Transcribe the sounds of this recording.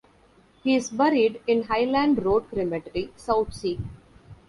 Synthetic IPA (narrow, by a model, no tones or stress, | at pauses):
hiːɪzbɛɾiɖɪ̃nɦaɪlæ̃ɳɖɾoːɖ̚kɾɪmeʈəɾisaʊt̪ʰsiː